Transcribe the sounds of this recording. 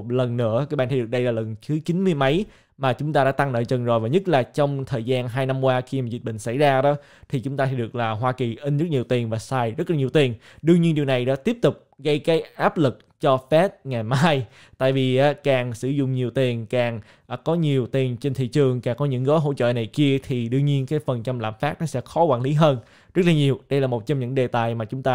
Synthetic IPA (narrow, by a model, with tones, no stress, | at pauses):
t̚lə˨˩nːɨ̰˧˥əkaː˨˦jɓaː˧˨nt̪ʰjɨ˨˩k̚ɗə˧jlaː˨˩lə˨˩nt̪ʰɨ˨˦t͡ɕi˨˦nmɨ˧əjmə˨˦j | maː˨˩t͡ɕʊ˨˦ŋ͡mt̪aː˧ɗa̰ː˧˥˦t̪a˧ŋnə̰ː˧˨˩jt͡ɕə˨˩nzo˨˩jvaː˨˩ɲə˦˥t̚laː˨˩t͡ɕɔ˧wŋ͡mt̪ʰəː˨˩jzaː˧nɦaː˧jna˧mkwaː˧xi˧maː˨˩zi˨˩t̚ɓḭ̈˧˨ŋ̟sa̰˧˩jzaː˧ɗɔ˨˦ | t̪ʰi˨˩t͡ɕʊ˨˦ŋ͡mt̪aː˧e˨˧˦jɨ˨˩ək̚laː˨˩ɦwaː˧ki˨˩ʔi˧nzɨ˦˥t̚ɲi˨˩əwt̪i˨˩ənvaː˨˩saː˧jzə˦˥laː˨˩ɲ˨˩wt̪i˨˩ən | ɗɨ˧əŋɲi˧nɗi˨˩wna˨˩jɗa̰ː˧˥t̪i˦˥əp̚t̪ʊ˨˩k͡p̚ɣə˧jkaː˨˦jʔaː˦˥p̚lɨ˨˩k̚t͡ɕɔ˧fɛ˦˥t̚ŋa˨˩jmaː˧j | t̪a̰ː˧˨jvi˨˩ʔaː˨˦kaː˨˩ŋsɨ˧˩zʊ̰˧˨ŋ͡mɲi˨˩əwt̪i˨˩ənkaː˨˩ŋ | ʔːkɔ˨˦ɲi˨˩əwt̪i˨˩ənt͡ɕe˧nt̪ʰḭ˧˨t͡ɕɨ˨˩əŋkaː˨˩ŋkɔ˨˦ɲɨ̰˧˥ŋɣəː˨˦ɦo̰˧˥t͡ɕə̰ː˧˨na˨˩jki˧ət̪ʰi˨˩ɗɨ˧əɲi˧ənkaː˨˦jfə˨˩nt͡ɕa˧mla̰ː˧˨mfaː˦˥t̚nɔ˨˦sɛ̰˧˥xɔ˨˦kwa̰ː˧˩nli˨˦ɦəː˧n | zə˦˥t̚laː˨˩ɲi˨˩əwɗə˧jlaː˨˩mo˨˩t̚t͡ɕɔ˧wŋ͡mɲɨ̰˧˥ŋɗe˨˩t̪aː˨˩jmaː˨˩t͡ɕʊ˨˦ŋ͡mt̪aː˧